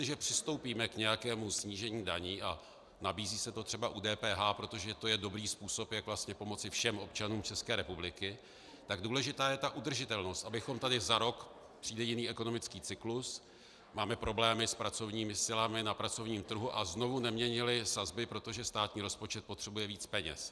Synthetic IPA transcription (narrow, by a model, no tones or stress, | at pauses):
ɪʒɛpr̥ɪst̪o̞wpiːmɛkɲɛjakɛːmusɲiːʒɛɲiːdaɲiːʔa | nabiːziːsɛt̪o̞t̪r̝̥ɛbaʔudɛːpɛːɦaːpɾo̞t̪o̞ʒɛt̪o̞jɛdo̞bɾiːspuːso̞pjakvlast̪ɲɛpo̞mo̞t͡sɪfʃɛmʔo̞pt͡ʃanuːmt͡ʃɛskɛːɾɛpublɪkɪ | t̪aɡduːlɛʒɪt̪aːjɛt̪aʔud̪r̩ʒɪt̪ɛlno̞st̪ʔabɪxo̞mt̪adɪzaɾo̞k | pr̥iːdɛjɪniːʔɛko̞no̞mɪt͡skiːt͡sɪklus | maːmɛpɾo̞blɛːmɪspɾat͡so̞vɲiːmɪsɪlamɪnapɾat͡so̞vɲiːmt̪r̩ɦuʔazno̞vunɛmɲɛɲɪlɪsazbɪpɾo̞t̪o̞ʒɛst̪aːt̪ɲiːɾo̞spo̞t͡ʃɛt̪̚po̞t̪r̝̥ɛbujɛviːt͡spɛɲɛ̰s